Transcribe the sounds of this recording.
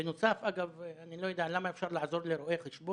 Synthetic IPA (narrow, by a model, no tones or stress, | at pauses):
ɪnosafʔaɡavʔanilojed̪aʕlamːaʔefʃɑɾˤlaʕzoɾlɪɾoʔexɪʃboː